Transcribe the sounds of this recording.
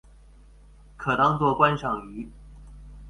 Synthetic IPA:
kʰɤ˨˩t̪ɑ˥ŋt͡swɔ˥˧kwa˥nʂɑ˨˩ŋy˧˥

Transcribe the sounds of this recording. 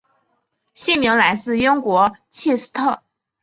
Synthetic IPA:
ɕi˥˩mi˧˥ŋla˧˥ɪsɹ̩˥˩jʊ˥ŋkwɔ˧˥t͡ɕʰi˥˩s̩˥t̪ʰɤ˥˩

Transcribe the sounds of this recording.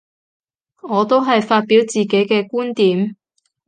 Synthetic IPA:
ŋɔː˨˧t̪o˥wɦɐ˨jfaː˧t̚piː˨˥wt͡siː˨ke˨˥jkɛː˧kuː˥nt̪iː˨˥m

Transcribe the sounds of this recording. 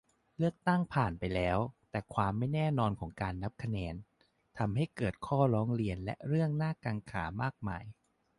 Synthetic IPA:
lɯ˥˩ək̚t̪a˥˩ŋpʰaː˨˩npa˧jlɛː˦˥wt̪ɛː˨˩kʰwaː˧mːa˥˩jnɛː˥˩nɔː˧nkʰɔː˩˦ŋkaː˧nːa˦˥p̚kʰa˧nɛː˧n | t̪ʰa˧mɦa˥˩jkɤː˨˩t̪̚kʰɔː˥˩ɾɔː˦˥ŋɾi˧ənlɛ̰˦˥ʔɾɯ˥˩əŋnaː˥˩kaː˧ŋkʰa̰ː˩˦maː˥˩k̚ma̰ː˧j

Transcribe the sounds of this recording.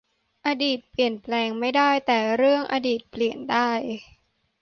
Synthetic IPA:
ʔaː˧diː˨˩t̪̚pli˨˩ənplɛː˧ŋma˥˩jdaː˥˩jt̪ɛː˨˩ɾɯ˥˩əŋʔaː˧diː˨˩t̪̚pli˨˩əndaː˥˩j

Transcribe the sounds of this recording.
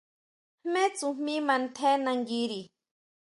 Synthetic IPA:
me˦t͡sumi˦ma˨nt̪ʰe˦na˨ŋɡiɾi

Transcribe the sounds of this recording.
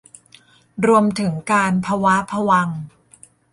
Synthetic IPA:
ɾu˧əmt̪ʰɯ˩˦ŋkaː˧npʰa˧wa˦˥pʰa˧wa˧ŋ

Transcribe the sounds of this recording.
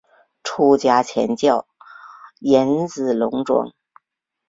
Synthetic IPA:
ʈ͡ʂʰu˥t͡ɕja˥t͡ɕʰjɛ̰˧˥nt͡ɕjɑ˥˩ʊ | jɛ˧˥nt͡sɹ̩˨˩lʊ˧˥ŋʈ͡ʂwʊ̰˧˩ŋ

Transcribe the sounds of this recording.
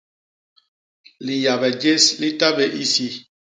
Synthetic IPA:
li˨ja˨βɛ˨d͡ʒe˦sli˦ta˦be˦ʔi˦si˦

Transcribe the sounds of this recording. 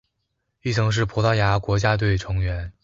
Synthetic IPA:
i˥˩t͡sʰɤ˧˥ŋʂ̬ɻ̩˥˩pʰu˧˥t̪ɑ˥ʊja˧˥kwɔ˧˥t͡ɕja˥t̪̬we˥˩ɪʈ͡ʂʰɤ˧˥ŋɥɛ˧˥n

